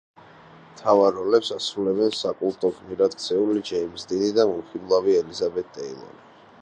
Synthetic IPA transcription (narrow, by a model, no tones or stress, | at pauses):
mt̪ʰavaɾɔlɛpsasɾulɛbɛnsakʼulˠt̪ʼɔɡʰmiɾad̪̚k̚ʰt̪sʰɛulid͡ʒɛimzd̪inid̪amuχiblˠaviɛlizabɛt̪̚ʰt̪ʼɛḭlˠɔ̰ni